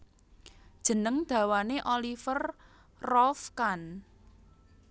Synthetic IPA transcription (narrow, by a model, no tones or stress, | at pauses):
d̥ʒ̥ə̤nəŋd̪̥ä̤waneʔolifər | rɔfkan